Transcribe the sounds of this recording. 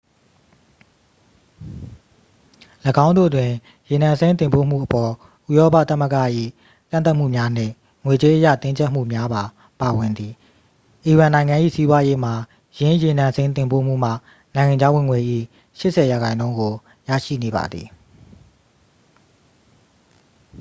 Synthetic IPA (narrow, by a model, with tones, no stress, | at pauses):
ləɡã˦ʊ̃ndo̰˦˨twɪ̃˨ | je˨nã˨nsẽ˦ɪ̃nt̪ɪ̃˨mpo̰˦˨m̥ṵ˦˨ʔəpɔ˨ | ʔu˦jɔ˦pa̰˦˨t̪ə˦˨məɡa̰˦˨ʔḭ˦˨ | kã˦˨nt̪a˦ʔm̥ṵ˦˨mja˦n̥ɪ̰̃˦˨ | ŋwe˨t͡ɕe˦ʔə˦ja̰˦˨t̪ɪ̃˦ɲd͡ʑɛ˦ʔm̥ṵ˦˨mja˦ba˨ | pa˨wɪ̃˨nd̪ði˨ | ʔi˨ɹã˨nã˨ɪ̃ŋã˨ʔḭ˦˨si˦bwa˦je˦m̥a˨ | jɪ̃˦je˨nã˨nsẽ˦ɪ̃nt̪̬ɪ̃˨mpo̰˦˨m̥ṵ˦˨m̥ä̰˦˨ | nã˨ɪ̃ŋã˨ɲd͡ʑa˦wɪ̃˨ŋwe˨ʔḭ˦˨ | ʃɪ˦ʔsʰɛ˨ja˨ɣã˨ɪ̃nõ˦ʊ̃ŋɡo˨ | ja̰˦˨ʃḭ˦˨ne˨ba̰˨d̪ði˨